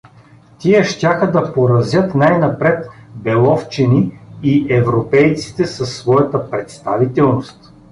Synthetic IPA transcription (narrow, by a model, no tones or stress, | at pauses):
t̪iɛʃt̪ʲaxəd̪ɐpoɾɐzjɤt̪najnɐpɾɛt̪bɛlˠɔft͡ʃiniiʔɛvɾopɛjt̪si̥t̪ɛsəsːvɔjɐt̪əpɾɛt̪st̪avit̪ɛlˠnost̪